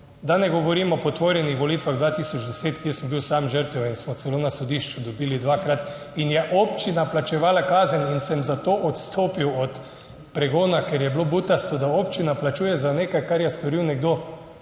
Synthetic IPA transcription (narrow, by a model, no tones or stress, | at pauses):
d̪anɛɡɔʋɔɾiːmɔpɔt̪ʋoːɾjɛnixʋɔliːt̪ʋaɣd̪ʋaːt̪isɔd͡ʒd̪ɛseːt̪kjesəmbiwsaːmʒəɾt̪ɛwinsmɔt̪sɛloːnasɔd̪iʃt͡ʃud̪ɔbiːlid̪ʋakɾat̪ | injɛʔopt͡ʃinaplat͡ʃɛʋaːlakaːzəninsɛmzat̪oːʔɔt̪st̪ʰoːpiwɔt̪ | pɾɛɡoːnakɛɾjɛblobut̪ast̪ɔd̪aopt͡ʃinaplat͡ʃuːjɛzaneːkajkaɾjɛst̪ɔɾiwnɛɡd̪oː